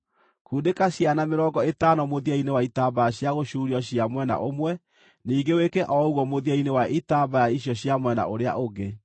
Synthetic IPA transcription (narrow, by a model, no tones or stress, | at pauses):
kuːdekaɕjanameɾɔːŋɡɔetanɔmoðiainewaitaːbajaɕjaɣoɕuːɾiɔɕiamwɛna̰ʔomwɛ | niːɡewekɛʔɔuɣɔmoðiainewaʔitabajaiɕjɔɕjamwɛna̰ʔoɾea̰ʔoɡe